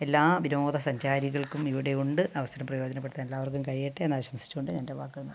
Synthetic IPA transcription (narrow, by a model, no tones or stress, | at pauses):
e̞lːaːʋiɾoːd̪ðɐsɐɲd͡ʑaːɾiɣɐɭkumiʋiɽe̞uɳɖɨʔɐʋɐsɐɾɐmprɐjo̞ːd͡ʑɐnɐp̬ːeɽʈt̪ːanelːaːʋɐrk̬ːumkɐɻijiʈːɨenːaːiɕɐmɐsi̥t͡ɕːuɣoɳɖɨɲaːnde̞ʋaːkːɐlunː